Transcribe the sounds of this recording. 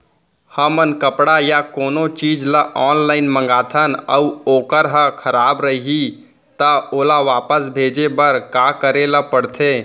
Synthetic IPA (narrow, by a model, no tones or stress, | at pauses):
həmənkəpɽajakoːnot͡ʃiːd͡ʒləʔɔːnlaːɪnmə̃ŋɡaːt̪ʰənə̰uoːkəɾɦə̃kʰəɾaːbɾəiɦi | t̪əoːlaʋaːpəsbʱeːd͡ʒebəɾkaːkəɾeləpəɽt̪ʰeː